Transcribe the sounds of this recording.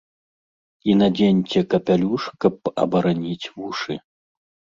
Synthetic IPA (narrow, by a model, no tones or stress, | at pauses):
inad͡zʲenʲt͡sʲɛkɐpʲalʲuʂkɐp̚ɐ̰bɐɾanʲit͡sʲvuʂɨ̰